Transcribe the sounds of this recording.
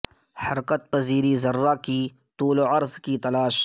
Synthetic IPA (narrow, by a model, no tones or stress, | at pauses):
hɐɾqət̪̚pɐziːɾizɐrːaki | t̪uːloɐɾzkit̪ɐlaːʃ